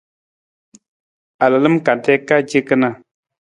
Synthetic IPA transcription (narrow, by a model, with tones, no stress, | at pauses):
a˨la˨lɨ˦mka˨ntɛ˦ka˦d͡ʒe˦kɨ˦na˦˨